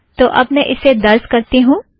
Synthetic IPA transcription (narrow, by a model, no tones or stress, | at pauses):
t̪oːʔɐbmɛ̃ʔɪsed̪ɐɾskɐɾt̪iɦũː